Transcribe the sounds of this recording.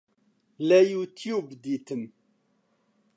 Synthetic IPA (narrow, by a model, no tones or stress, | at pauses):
læjut̪jubd̪it̪əm